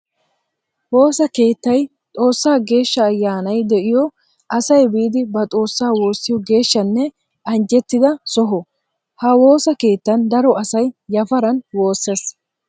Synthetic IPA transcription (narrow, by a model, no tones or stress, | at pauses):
wo̞ːsɐke̞ːt̪ːɐj | t̪ʼo̞ːsːaːɡe̞ːʃːɐːjːaːnɐjd̪ɛʔɪjɔ | ʔɐsɐjbiːd̪ɪbɐt̪ʼo̞ːsːaːwo̞ːsːɪjɔɡe̞ːʃːɐnːɛ | ɐnd͡ʒɛt̪ːɪd̪ɐsɔɦɔ | hɐwo̞ːsɐke̞ːt̪ːɐnd̪ɐɾɔɐsɐjːɐfɐɾɐnwo̞ːsːes